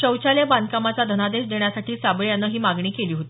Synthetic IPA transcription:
ɕəwt͡ɕaleband̪kamat͡sad̪ʱənad̪eɕd̪eɳjasaʈʰiːsabəɭjanːəːɦiːmaɡɳiːkeliːɦot̪ː

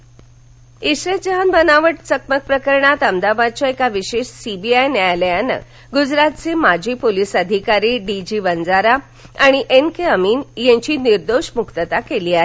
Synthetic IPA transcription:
iɕɾet̪d͡zəɦənbənaʋəʈ̚t͡sək̚mək̚pɾəkəɾɳat̪əmd̪abad̪̚t͡ɕjaekaʋiɕeɕsibiajnəaljanə̰ | ɡud͡zɾat̪t͡semad͡ʑʱiːpolisəd̪ʱikaɾiːɖid͡ʑiʋənd͡zaɾa | aɽ̃iʔenkeəmiːnjẽɲt͡ɕiːniɾd̪oɕmukt̪ət̪akeliːaɦe

